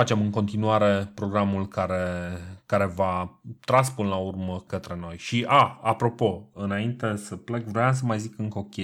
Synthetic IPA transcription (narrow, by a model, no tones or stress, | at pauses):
fat͡ʃe̞mɨŋko̞nt̪inuaɾe̞pɾo̞ɡɾamulkaɾe̞kaɾe̞vat̪ɾaspɨnəlaurməkət̪ɾe̞no̞jʃiʔaapɾo̞po̞ɨnaint̪e̞səple̞kvɾojams̬əmajzikɨŋko̞kʲe